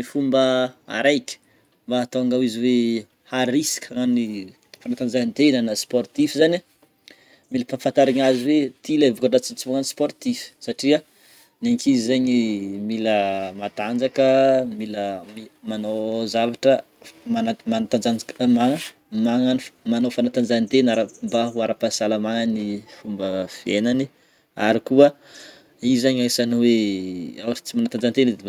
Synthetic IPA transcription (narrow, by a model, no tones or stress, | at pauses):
nifumbəa̰ɾajkʲə̥ | mbaːt̪oaŋɡawiziwe | haɾisi̥kʲʰaŋani | fanat̪and͡zannt̪enənasport̪ifizani | miləfanfant̪aɾiɲaziwet̪ilavukaʈ͡ʂat͡sit͡sivuŋanisport̪ifi̥saʈ͡ʂia | neŋkizizeɲimiləmat̪and͡zakəmiləmimanozavaʈ͡ʂə | manamanat̪and͡zamaŋə | maŋanfmanofanat̪and͡zanit̪enaɾambaɦuaɾapasalamaŋanifumbəv̥ienani | aɾikuə | izaɲajsaniweawaʈ͡ʂi̥t͡simanat̪and͡ʒant̪eni